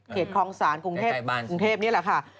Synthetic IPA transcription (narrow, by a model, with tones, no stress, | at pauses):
kʰeː˨˩t̪̚kʰɔː˧ŋsaː˩˦nku˧ŋt̪ʰeː˥˩u˧ŋt̪ʰeː˥˩p̚ni˥˩ɐla˨˩kʰa˥˩